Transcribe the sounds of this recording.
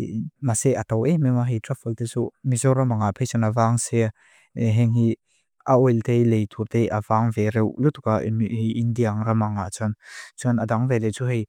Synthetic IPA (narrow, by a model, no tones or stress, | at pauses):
maseʔat̪ɔwememaɦitɾafɔlt̪et͡sumizɔramaŋapʰejsɔnavaŋse | ɦɛŋɦi | ʔaojlt̪ejlejt̪ʰurt̪ejavaŋveɾewlut̪ukaindiaŋɾamaŋat͡sʰɔnt͡sʰɔnad̪aŋvelet͡suɦej